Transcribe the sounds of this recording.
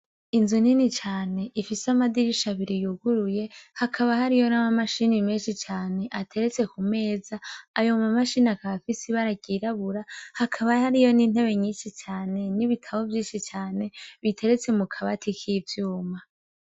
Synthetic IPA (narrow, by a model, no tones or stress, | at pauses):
inzoninit͡ʃaːne̞ʔifisamadiɾiʃaβiɾijuɡuɾuje̞hakʰaβahaɾijo̞namamaʃinimeːnʃit͡ʃaːne̞ʔatʰe̞ɾet͡se̞kume̞ːzaːjo̞mamaʃinakaβafisiβaɾaɡiɾaβuɾahakʰaβahaɾijo̞nin̥he̞βe̞ɲiːnʃit͡ʃaːne̞niβitʰaβo̞vjiːnʃit͡ʃaːne̞βitʰe̞ɾet͡se̞mukʰaβatʰikʰiːvjuːma